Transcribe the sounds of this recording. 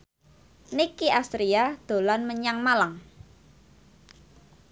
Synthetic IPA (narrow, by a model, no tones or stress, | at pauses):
nikːiast̪ɾiad̪̥o̤lanməɲaŋmalaŋ